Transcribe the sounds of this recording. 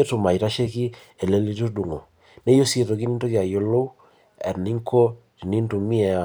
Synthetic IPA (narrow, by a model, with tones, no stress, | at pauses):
e˦to˨ma˨i˨ɾa˦ʃe˦ki˦ | e˨le˦li˦to˦du˨ŋo̰˨ | ne˦jo˦se˨to˨ki˦ni˦nto˦ki˦a˨jo˦lo˦u˦ | ɛ̰˨ni˦ŋko˦ | ti˨ni˦n˦tu˨mi˦ɛ˨